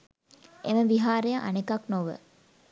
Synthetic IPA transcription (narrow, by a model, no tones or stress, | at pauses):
ʔeməʋiɦaːɾejaʔɐ̰nekɐknoʋə̰